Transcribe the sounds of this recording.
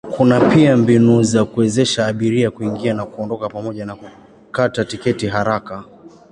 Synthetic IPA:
kunapiambinuzakuwɛzɛʃaːɓiɾiakuiŋɡianakuɔndɔkapamɔʄanaku | katatikɛtiɦaɾaka

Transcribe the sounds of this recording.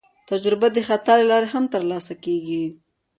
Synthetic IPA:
t̪ad͡ʒɾɪbad̪əxat̪ɑləlɑɾeɦamt̪əɾlɑsakeɡi

